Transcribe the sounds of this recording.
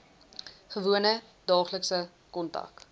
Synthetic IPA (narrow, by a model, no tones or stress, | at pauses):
χəvuənə | d̥ɑːχləksə | kɔntɐ̰k